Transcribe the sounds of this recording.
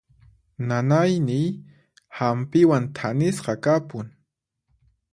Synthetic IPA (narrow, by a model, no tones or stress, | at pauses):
nanajnɪj | hampɪwant̪ʰanɪsɢɑkapʊŋ